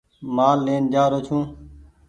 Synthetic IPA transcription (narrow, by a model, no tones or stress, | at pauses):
maːlːeːnd͡ʒaːɾoːt͡ʃʰũː